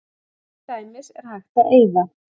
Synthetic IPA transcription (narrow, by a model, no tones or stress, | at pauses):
t̪ajmɪsɛɾ̥hajxt̪aʔeːjða